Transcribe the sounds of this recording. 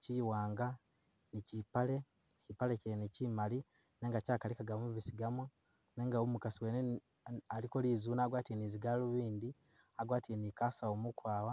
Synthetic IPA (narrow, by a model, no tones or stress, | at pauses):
ciwaːŋɡa | nicipale̞ | cipalecenecimali | ne̞ːŋɡacaːkalikaɡamuβisiɡamo | ne̞ːŋɡaomukasiweːne | alikoliːzuːnaːɡwaːtieniziɡaluβiːndi | aɡwaːtienikasaomukwaːwa